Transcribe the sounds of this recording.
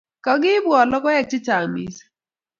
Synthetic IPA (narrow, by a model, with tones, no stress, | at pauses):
kɔ˨ɡɪ˦bwɔ˨lɔ˦kɔ˦jɛ˦˨k̚t͡ʃɪ˦t͡ʃa˨mḭ˦s